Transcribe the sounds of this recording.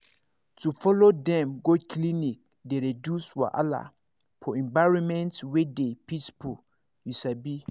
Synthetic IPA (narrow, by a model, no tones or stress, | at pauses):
tufɔlodɛ̃mɡokʰlinik̚ | deɹidjuswɔ̰ʔa̰la̰ | pʰɔɛ̃ɱbaɹɔ̃nmɛ̃ntwedepispʰu | jusabi